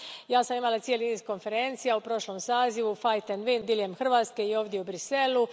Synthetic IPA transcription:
jaːsamimalat̪sijeliniːzko̞nfe̞ɾe̞nt̪sijaupɾo̞ʃlomsaːziʋufajt̪enʋind̪iljemxr̩ʋaːt̪skeio̞ːʋd̪jeubɾiselu

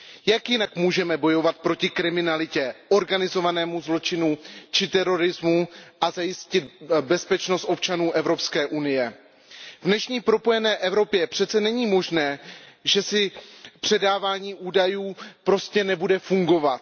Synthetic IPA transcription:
jakjɪnakmuːʒɛmɛbo̞jo̞vat̪̚pɾo̞cɪkɾɪmɪnalɪcɛʔo̞ɾɡanɪzo̞vanɛːmuzlo̞t͡ʃɪnut͡ʃɪt̪ɛɾo̞ɾɪzmuʔazajɪscɪt̪bɛspɛt͡ʃnost̪ʔo̞pt͡ʃanuːʔɛvɾo̞pskɛːʔunɪjɛ | vnɛʃɲiːpɾo̞po̞jɛnɛːʔɛvɾo̞pjɛpr̥ɛt̪t͡sɛnɛɲiːmo̞ʒnɛːʒɛsɪpr̝̥ɛdaːvaːɲiːʔuːdajuːpɾo̞scɛnɛbudɛfuŋɡo̞vat̪̚

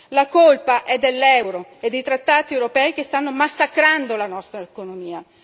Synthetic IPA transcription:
lakolpaʔɛd̪ːelːɛwɾoed̪ejt̪ɾat̪ːaːt̪iɛwɾopɛjk̟est̪anːomasːakɾand̪olanɔst̪ɾaekonomiːa

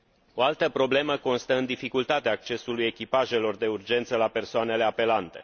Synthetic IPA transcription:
o̞alt̪əpɾo̞ble̞məko̞nst̪əɨnd̪ifikult̪at̪eaːk̚t͡ʃe̞suluje̞kʲipaʒe̞lo̞rd̪e̞urd͡ʒe̞nt̪səlape̞rsoane̞le̞ape̞lant̪e̞̰

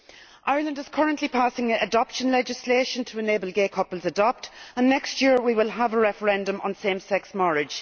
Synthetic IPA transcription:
ʔaɪə˞lə̃ndɪz̥kʰʌɹə̃nʔlipʰasɪ̃ŋədɒpʃə̃nlɛd͡ʒɪsleːʃə̃ntʰəəneːbəl̩ˠɡeːkʰʌpəlˠzədɒp̚tə̃nːɛkstjɪəɹwiwɪlˠəvəɹɛfə˞ɛ̃ndə̃mə̰̃nsẽmsɛksmɔɹɪ̥ʒ̥

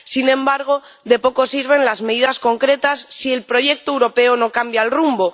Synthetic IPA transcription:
sinẽ̞mbaɾɣ̞o̞ | ðe̞po̞ko̞siɾβ̞e̞nlazmeðiðasko̞ŋkɾe̞t̪asːie̞lpɾo̞ʝe̞k̚t̪oewɾo̞pe̞ono̞kambjalrumbo̞

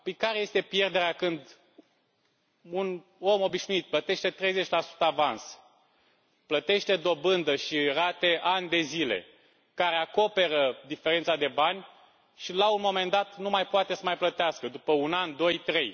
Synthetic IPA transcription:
pəjkaɾeje̞st̪e̞pje̞rd̪e̞ɾeakɨnd̪ | un | o̞mo̞biʃnuit̪̚plət̪e̞ʃt̪e̞t̪ɾe̞jze̞t͡ʃʲlasu̥t̪əavans | plət̪e̞ʃt̪e̞d̪o̞bɨnd̪əʃirat̪e̞ʔanʲd̪e̞zile̞̰ | kaɾeako̞pe̞ɾəd̪ifeɾe̞nt̪sad̪e̞banʲ | ʃilaunmo̞me̞nd̪at̪numajpoat̪e̞səmajplət̪easkəd̪upəunand̪o̞jt̪ɾe̞j

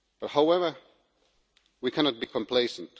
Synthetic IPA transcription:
b̥ʌt̚haʊɛvə˞ | wikʰænɑt̚b̥ikʰɔ̃mpʰl̥eɪsə̃nt

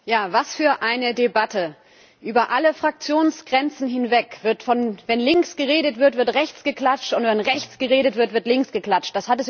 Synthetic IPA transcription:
jaːvasfyːɐʔaɪnədebatʰə | ʔyːbɐʔaləfʁ̥ak̚t͡sjoːnsɡ̥ʁɛnt͡sn̩ɦɪnvɛkv̥ɪɐtfɔnvɛnlɪŋksɡ̥əʁeːdətv̥ɪɐtv̥ɪɐtʁɛçt͡sɡ̥əkl̥at͡ʃtʊntvɛnʁɛçt͡sɡ̥əʁeːɾətv̥ɪɐtv̥ɪɐtlɪŋksɡ̥əkl̥at͡ʃt̚d̥ashatɛs

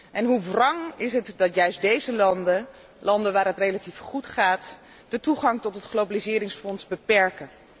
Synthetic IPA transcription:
ʔɛnɦuvrɑŋɪsɦətdɑtjœɥsdejzəlɑndə | lɑndənʋaːrɦətrejlatifχutχaːt | d̥ətuχɑŋtɔtɦətχlowbalizɪːɾɪŋsfɔnsbəpɛɹkən

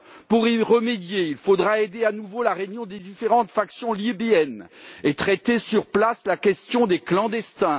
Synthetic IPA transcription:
puʁiʁəmed̪jeilfod̪ʁaed̪eanuvolaʁenjɔ̃d̪ed̪ifeʁɑ̃t̪faksjɔ̃libeɛnet̪χɛt̪esyʁplaslakʲɛst̪jɔ̃d̪eklɑ̃d̪ɛst̪ɛ̃

